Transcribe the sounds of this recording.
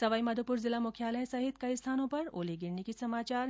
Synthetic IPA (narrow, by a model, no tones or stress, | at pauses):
sɐʋaːimɐd̪ʱopuɾzilamukʰjaləɦsɐɦit̪kɐist̪ʰaːnõpɐɾoːleɡiɾɳikisɐmaːt͡ɕaːɾ